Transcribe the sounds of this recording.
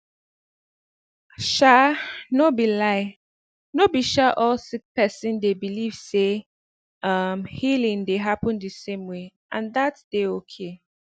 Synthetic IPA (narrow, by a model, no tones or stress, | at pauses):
ʃanobilaɪ | nobiʃaʔɔlsik̚pɛsĩndebiliv̥se | ʌmhilĩŋdeɦapə̃ndɨsẽmwe | ʔãnðatd̥eokʰe